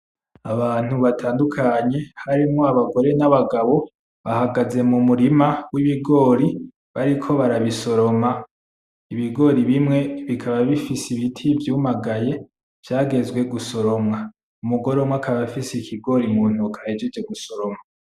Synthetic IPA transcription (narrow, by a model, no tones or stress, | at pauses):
aβaːn̥uβatʰaːndukʰaɲe̞haɾimŋoaβaɡo̞ɾe̞naβaɡaβo̞ | βahaɡaze̞mumuɾimawiβiɡo̞ːɾi | βaɾikʰo̞βaɾaβiso̞ɾo̞ma | iβiɡo̞ɾiβimŋe̞βikʰaβaβifisiβitʰivjuːmaɡaje̞ | v̥jaːɡe̞zwe̞ɡuso̞ɾo̞mŋa | umuɡo̞ɾomwakʰaβafisekʰiɡo̞ɾimuːn̥okaed͡ʒed͡ʒeɡuso̞ɾo̞ma